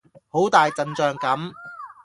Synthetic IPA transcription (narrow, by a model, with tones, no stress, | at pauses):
ho˨˥wt̪aː˨jt͡sɐ˨˧nt͡ʃœː˨˧ŋkɐ˨˥m